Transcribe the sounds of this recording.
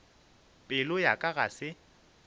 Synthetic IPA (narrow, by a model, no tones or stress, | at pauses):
pʼɪlʊjakʼaɣasɪ